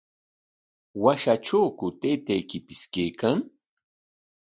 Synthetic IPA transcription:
waʃaʈ͡ʂawkʊt̪ejt̪ajkɪpɪskejkaŋ

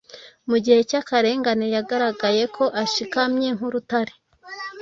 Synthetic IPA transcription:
muɟihe̞cakaɾe̞ːŋɡanejaɡaɾaɡaje̞kʰo̞ʔaʃikamɲe̞ŋ̥huɾutaɾe̥

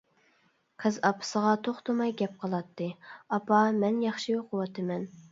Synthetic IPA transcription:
qʰəzɑpʰɨ̥səʁɑt̪ʰoχt̪ʊmɑjɡʲɛp̚qʰəlˠɑt̪ʰːɨɑpɑmɛnjɑχʃijoqʰʊwɑt̪ʰɨmɛn

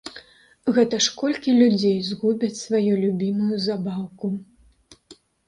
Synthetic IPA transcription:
ɣɛt̪ɐʂkɔlʲkʲilʲud͡zʲejzɣubʲɐt͡sʲsvajulʲubʲimujuzabawku

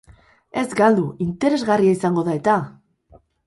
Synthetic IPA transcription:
e̞zɡald̪uint̪e̞ɾe̞zɣariaisaŋɡo̞ð̞ae̞t̪a

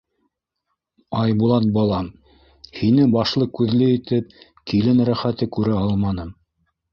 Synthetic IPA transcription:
ɑjbulˠɑt̪̚bɑlˠɑm | hinɘbɑʃlˠɤkʉðlɘit̪ɘp̚ | kilɘnɾæχæt̪ɘkʉɾæɑlˠmɑnɤm

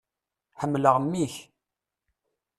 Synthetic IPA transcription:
ħəmːləʁmːiç

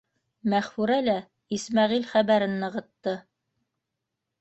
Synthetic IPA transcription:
mæχfuɾælæ | ismæʁilχæβæɾɘnːɤ̆ʁɤ̆t̪ːɤ

